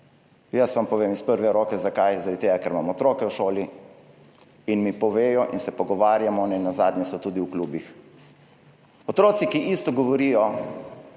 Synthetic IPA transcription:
jəsʋampɔʋemispəɾʋɛɾoːkɛzakajzaɾad̪it̪eɡakɛɾma̰mɔːt̪ɾokɛwʃoːli | inmipɔʋeːjɔʔinsɛpɔɡɔʋaːɾjamɔnɛnːazaːd̪ɲjɛsɔt̪uːd̪iwkluːbix | ɔt̪ɾoːt̪sikiʔist̪ɔɡɔʋɔɾijɔ

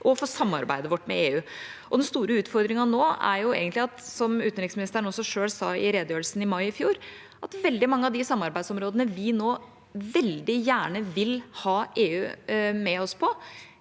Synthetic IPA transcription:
ʔɔfɔːsɑmːɑ̰ɾbæ̰ɪd̪əʋɔʈːmɛ̰eːʉːʔɔd̪ɛnst̪uːɾəʉːt̪fɔɾd̪ɾɪŋɑnoːæ̰ɾjʊḛːɡənt̪lɪɑt̪sɔmʉːt̪ənɾɪksmɪnɪst̪əɾəɳ̩ɔsːɔʂøːɭsɑɪɾeːd̪əjøːɾəlsn̩ɪmɑɪɪfjuːɾ | ʔɑt̪ʋɛld̪ɪmɑŋːəɑd̪ɪsɑmːɑɾbæɪd̪sɔmɾoːd̪ənəʋɪnoː | ʋɛld̪ɪjæːɳəʋɪlhɑːʔeːʉːmɛɔspʰɔ

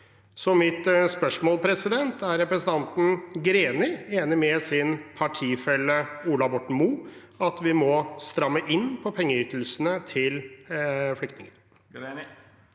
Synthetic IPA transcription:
sɔmɪt̪spœʂmɔːlpʰɾɛsɪd̪ɛnt̪æɾɛpɾəsən̩t̪ɑnt̪n̩ɡɾeːnɪeːnɪmɛsɪnpʰɑʈʰiːfɛlːəuːlɑbɔʈɳ̩muː | ɑt̪ʋɪmɔst̪ɾɑmːəʔɪnːpʰɔpʰɛŋːəyt̪ʰl̩sənət̪ʰɪl | flʏkt̪nɪŋəɾ

